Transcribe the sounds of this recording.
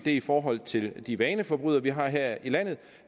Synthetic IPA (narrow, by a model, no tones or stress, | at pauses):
d̥e̝ifɒːɦɒ̽l̰t͡sʰe̝ld̥iʋɛːnəfɒ̽b̥ʁyðˠɐʋiɦɑ̈ɦeɐ̰ilæn̰ð̞̩ˠ